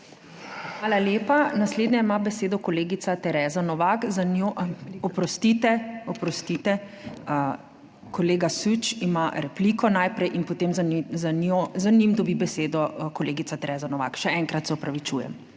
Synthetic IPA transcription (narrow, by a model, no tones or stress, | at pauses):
xʋaːlaljeːpanasleːd̪nʲjɛimabɛseːd̪ɔkɔleːɡit̪sat̪ɛɾɛːzanɔʋakzanoɔpɾɔst̪it̪ɛɔpɾɔst̪it̪ɛ | kɔleːɡasut͡ʃimaɾɛplikɔnajpɾɛjʔinpɔt̪emzzanozanimd̪ɔbibɛseːd̪ɔkɔleːɡit̪sat̪ɛɾɛːzanɔʋa̰kʃɛɛŋkɾat̪sɛɔpɾaʋit͡ʃujɛ̰m